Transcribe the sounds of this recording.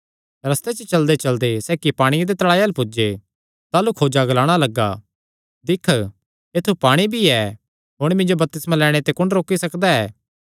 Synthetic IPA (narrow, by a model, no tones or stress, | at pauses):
ɾɐst̪et͡ʃət͡ʃɐld̪et͡ʃɐld̪esɛːkipaːɽ̃ijad̪et̪ɐɽaːjalpʊd͡ʒe | t̪aːlukʰoːd͡ʒaɡɐlaːɽ̃alɐɡːa̰ | d̪ɪkʰ | eːt̪ʰupaːɽ̃ibʱiɛ | ɦʊɽ̃mɪ̃nd͡ʒobɐp̚t̪ɪsmãlɛːɽ̃et̪ekʊɳɾoːkːisɐkd̪aɛː